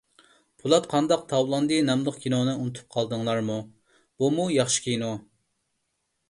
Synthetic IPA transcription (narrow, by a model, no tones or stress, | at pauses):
pʰulˠɑt̪qʰɑnd̪ɑq̚t̪ʰɑwlˠɑnd̪ɨnɛmlˠəχkʲinonɨunɨt̪ʰu̥p̚qʰɑlˠd̪ɨŋlˠɑɾmu | b̥umujɑχʃi̥kʲino